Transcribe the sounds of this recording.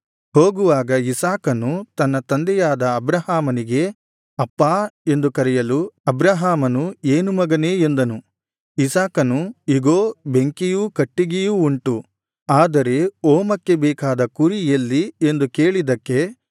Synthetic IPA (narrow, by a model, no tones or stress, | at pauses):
ho̞ːɡuʋaːɡɐisaːkɐnut̪ɐnːɐt̪ɐnd̪ɛjaːd̪ɐːbɾɐhaːmɐniɡe̞ | ɐpːaːe̞nd̪ukɐɾɛjɐluɐbɾɐɦaːmɐnueːnumɐɡɐneːend̪ɐnu | isaːkɐnuiɡoːbe̞ŋkijukɐʈːiɡijuːɳʈu | aːd̪ɐɾe̞oːmɐkːe̞bɛːkaːd̪ɐkuɾiɐlːie̞nd̪uke̞ːɭid̪ɐkːe̞